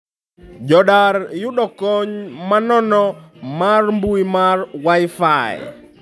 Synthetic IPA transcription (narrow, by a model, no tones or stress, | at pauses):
d͡ʒɔɗarjuɗɔkɔɲmanɔnɔmarmbuimarwajfaj